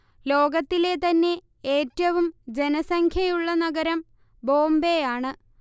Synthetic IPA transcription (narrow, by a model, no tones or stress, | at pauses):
lo̞ːɡɐt̪ːile̞t̪ɐnːe̞ | eːtːɐʋumd͡ʑe̞nɐsɐŋkʰjɐjuɭːɐnɐɡɐɾɐm | bo̞ːmbejaːɳɨ